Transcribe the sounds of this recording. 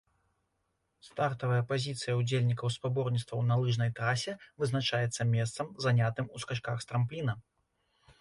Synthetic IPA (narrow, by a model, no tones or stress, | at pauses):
st̪art̪ɐvɐjɐpazʲit̪sɨjɐud͡zʲelʲnʲikɐwspabɔrnʲit̪st̪vɐwnalˠɨʐnɐjt̪ɾasʲɛvɨznat͡ʂajɛt̪sːɐmʲɛst̪sɐmzanʲat̪ɨmuskaʂkaxst̪ɾamplʲinɐ